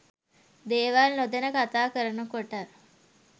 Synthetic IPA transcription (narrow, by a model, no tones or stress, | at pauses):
d̪eːʋaːlnod̪enɐkat̪aːkəɾɐnukoʈaɾ